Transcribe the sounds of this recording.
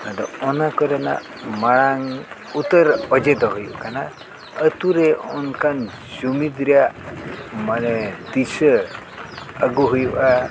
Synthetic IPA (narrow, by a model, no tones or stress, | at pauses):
adɔɔnakɔɾɛna̰ʔ | maɽaŋ | ut̪əɾɔd͡ʒɛd̪ɔɦujuʔkana | ət̪uɾɛɔnkʰan | d͡ʒumid̪ɾɛjaʔmanɛd̪isə | əɡuɦujuʔa